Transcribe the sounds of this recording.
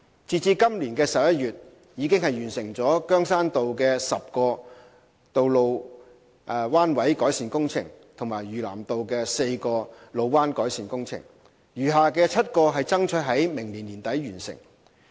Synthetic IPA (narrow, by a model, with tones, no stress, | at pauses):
t͡siː˨˧t͡siː˧kɐ˥mliː˨˩nkɛː˧sɐ˨p̚jɐ˥t̚ɥyː˨t̚ | jiː˨˧kɪ˥ŋhɐ˨jɥyː˨˩nsɪ˨˩ŋt͡sɔː˨˥kœː˥ŋsaː˥nt̪o˨wkɛː˧sɐ˨p̚kɔː˧ | t̪o˨wlo˨˧w | ʔwaː˥nwɐ˨˥jkɔː˨˥jsiː˨nkʊ˥ŋt͡sʰɪ̰˨˩ŋt̪ʰʊ˨˩ŋmaː˨˩jɥyː˨˩la̰ː˨˩mt̪o˨wkɛː˧se˧jkɔː˧lo˨˧wwaː˥nkɔː˨˥jsiː˨nkʊ˥ŋt͡sʰɪ̰˨˩ŋ | jyː˨˩ɦaː˨kɛː˧t͡sʰɐ˥t̚kɔː˧ɦɐ˨jt͡sɐ˥ŋt͡ʃʰɵ˧t̚ɦɐ˨˥jmɪ˨˩ŋliː˨˩nliː˨˩nt̪ɐ˨˥jɥyː˨˩nsɪ̰˨˩ŋ